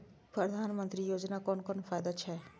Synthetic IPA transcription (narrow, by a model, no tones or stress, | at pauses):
pɾɐd̪ʱaːnmə̃nt̪ɾijoːd͡ʒnakɔːnkɔːnfaːjd̪at͡ʃʰɛː